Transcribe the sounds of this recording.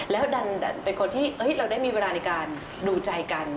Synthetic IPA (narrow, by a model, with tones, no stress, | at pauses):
lɛː˦˥wda˧nda˧˩npe˧nkʰo˧nt̪ʰiː˥˩ʔɤ˦˥jɾa˧wdaː˥˩jmiː˧weː˧laː˧na˧jkaː˧n | duː˧t͡ɕa˧jka˧n